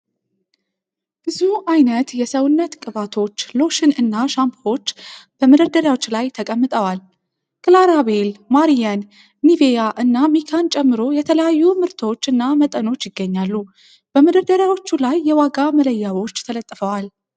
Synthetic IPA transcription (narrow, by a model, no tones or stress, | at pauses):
b̥ɨzuʔajnət̪jɛsəwnːət̪kʼɨβat̪ʰo̞t͡ʃːlo̞ʃɨnɨnːaʃampo̞t͡ʃːb̥əmɨd̪əd̪əɾjawot͡ʃːlajt̪ʰəkʼəmːɨt̪ʼəwal | kʼɨlaɾaβe̞lmaɾijanː | ivejaʔɨnːamikʰant͡ʃʼɛmːɨɾo̞jɛt̪ʰələjajːumɨɾt̪ʰəwot͡ʃːɨnːamət̪ʼəno̞t͡ʃːjɪɡːəɲːalːu | b̥əmɨd̪əd̪əɾjawot͡ʃːulajːɛwaɡamələjːawo̞t͡ʃːt̪ʰələt̪ʼːfəwal